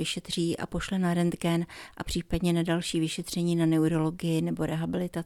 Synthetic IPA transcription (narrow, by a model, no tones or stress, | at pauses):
ɪʃɛt̪r̝̥iːʔa̰po̞ʃlɛnaɾɛnd̪ɡɛnʔa̰pr̥iːpadɲɛnadalʃiːvɪʃɛt̪r̝̥ɛɲiːnanɛuɾo̞lo̞ɡɪjɪnɛbo̞ɾɛɦabɪlɪt̪a